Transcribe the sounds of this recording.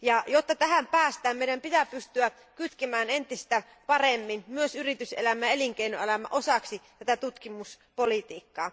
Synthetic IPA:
jɑjot̪ːɑt̪æɦæmpæːst̪æːmmeijdæmpit̪æpyst̪yæ | kyt̪kemæːne̞nt̪ist̪æ | pɑremːinmyøsyrit̪ysḛlæmæeliŋkeinoelæmæ̰ʔo̞sɑksit̪æt̪æt̪ut̪kimus | polit̪iːkːɑː

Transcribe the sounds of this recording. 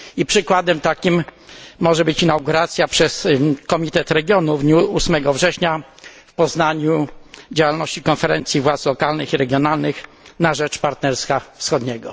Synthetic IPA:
ipʂɘkwad̪ɛmt̪akʲimːɔʐɛbɘt͡ɕinawɡuɾat̪sʲjapʂɛskɔmʲit̪ɛt̪ɾɛɡʲjɔnuvd̪ɲuusmɛɡɔvʐɛɕɲa | fpɔznaɲud͡ʑawalnɔɕt͡ɕikɔnfɛɾɛnt̪sʲjivwat̪slɔkalnɘxiɾɛɡʲjɔnalnɘx | naʐɛt͡ʂpaɾt̪nɛɾskafsxɔd̪ɲɛɡɔ

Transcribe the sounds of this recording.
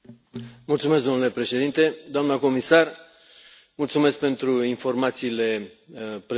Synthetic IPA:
mult̪sumesd̪o̞nule̞pɾe̞ʃe̞d̪int̪e̞d̪oamnəko̞misar | mult̪sume̞sk̚pe̞nt̪ɾuinfo̞rmat̪siːle̞ | pɾ

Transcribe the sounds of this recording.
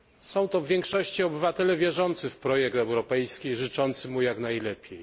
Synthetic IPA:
sɔ̃w̃t̪ɔvʲjɛŋkʂɔɕt͡ɕiɔbɘvat̪ɛlɛvʲjɛʐɔnt̪sɘfpɾɔjɛk̚t̪ɛwɾɔpɛjskʲiʐɘt͡ʂɔnt̪sɘmujaknajlɛpʲjej

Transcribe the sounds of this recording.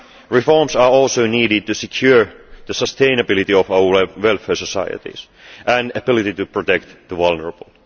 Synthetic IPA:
ɹifɔɹmsɑːɔlsoʊniːɾɪd̪̚t̪usekʰjuɹðəsəst̪ʰẽɪ̃nəbɪlit̪iɔfaəʋwɛlfɛːsəsɑɪə̰t̪ḭs | ʔæ̃næbɪlit̪it̪upɹot̪ɛkt̪ðəʋʌlˠnəɹəbəlˠ

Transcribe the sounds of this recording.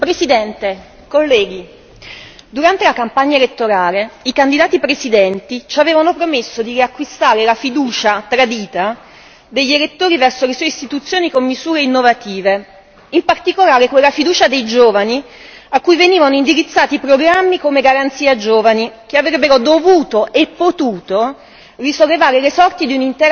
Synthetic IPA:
pɾesid̪ɛnt̪e | kolːɛːɡ̟i | d̪uɾant̪elakampaɲːaelet̪ːoɾaːleikand̪id̪aːt̪ipɾesid̪ɛnt̪it͡ʃaveːvanopɾomesːod̪iriakːwist̪aːɾelafid̪uːt͡ʃat̪ɾad̪iːt̪a | d̪eʎːelet̪ːoːɾivɛrsolesɔːjist̪it̪ut̪sːjoːnikomːizuːɾeinːovat̪iːve | impart̪ikolaːɾekwelːafid̪uːt͡ʃad̪ejd͡ʒoːvani | akːujveniːvanoind̪iɾit̪sːaːt̪ipɾoɡɾamːikomeɡaɾant̪siːad͡ʒoːvanik̟eavɾɛbːeɾod̪ovuːt̪oʔepːot̪uːt̪o | risolːevaːɾelesɔrt̪id̪iunint̪ɛɾ

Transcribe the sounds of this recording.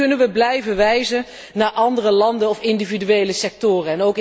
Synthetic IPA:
ɵnənʋəblɛjvəʋɛjzən | naːɹʔɑndərəlɑndənɔfɪndividyʋejləsɛk̚tʊːrəɛnowk

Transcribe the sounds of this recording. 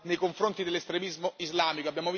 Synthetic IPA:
nejkoɱfɾont̪id̪elːest̪ɾemizmoizlaːmikoabːjaːmov

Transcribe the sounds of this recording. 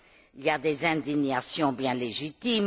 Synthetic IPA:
iliad̪ezɛ̃d̪iɲasjɔ̃bjɛ̃leʒit̪im

